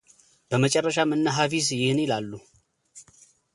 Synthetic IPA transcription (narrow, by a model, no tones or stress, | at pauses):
b̥əmət͡ʃʼɛrːəʃamɨnːaɦafis̬jɪhɨnjɪlalːu